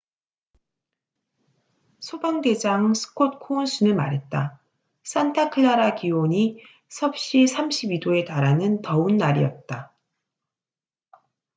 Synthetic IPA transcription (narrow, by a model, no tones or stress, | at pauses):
sʰobaŋde̞d͡ʑaŋsʰɯ̥kʰot̚kʰounsʰunɯɭma̰ɾɦe̞t̚t͈a | s͈antʰakʰɯɭːaɾakiwoɲi | sʰʌp̚ɕ͈isʰamɕʰibidoe̞taɾanɯntʌunːaɾḭjʌt̚t͈a